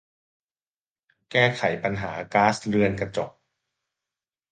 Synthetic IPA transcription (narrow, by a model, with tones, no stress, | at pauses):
kɛː˥˩kʰa˩˦jpa˧nɦaː˩˦kaː˦˥sɾɯ˧ənka˧t͡ɕɔ˨˩k̚